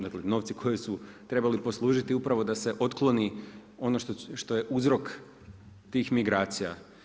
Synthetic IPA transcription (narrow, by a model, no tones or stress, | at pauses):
d̪akleno̞ʋt̪sikʰo̞jesut̪ɾe̞balipo̞slˠuːʒit̪iupɾaʋo̞d̪aseʔo̞t̪klˠo̞nio̞noʃt̪oʃt̪o̞je̞ʔuzɾo̞k | t̪iːxmiɡɾaːt̪sija